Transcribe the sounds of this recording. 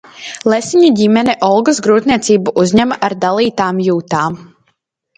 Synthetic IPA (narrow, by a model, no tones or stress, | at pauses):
lˠɛsiɲaɟimɛnɛʔɔlˠɡɔsɡɾuːt̪niɛt̪siːbuʔuzʲɲæmaʔaɾd̪alˠiːt̪aːmjuːt̪aːm